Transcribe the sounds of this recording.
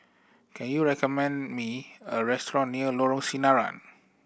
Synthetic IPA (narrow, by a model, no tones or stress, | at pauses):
kʰɛ̃njuɹɛkɔmɛ̃nmiəɹɛstɹɔ̃nːiəlɔɹɔ̃ŋsinaɹã̰n